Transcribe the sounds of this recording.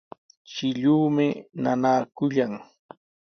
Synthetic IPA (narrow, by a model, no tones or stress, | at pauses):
t͡ʃɪʎuːmɪnanaːkʊʎaŋ